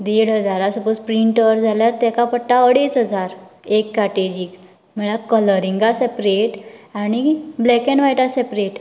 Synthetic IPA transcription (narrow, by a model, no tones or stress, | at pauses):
d̪eɽɦəd͡zaɾasəpospɾiɳʈəʋɾd͡zʱaljaɾt̪ɛkapəʈːaəɽet͡sɦəd͡zaɾ | ekːaʈed͡ʑiːk | m̤əɭakələɾĩŋɡasepɾeʈaɽ̃iblɛkẽnʋajʈasepɾeʈ